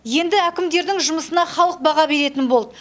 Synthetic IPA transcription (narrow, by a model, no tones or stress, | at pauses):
je̞nd̪ɪækʲɪmd̪e̞ɾd̪ɪŋʒʊməsənɑχɑlˠəq̚bɑʁɑbe̞ɾe̞t̪ɪnbolˠd̪ə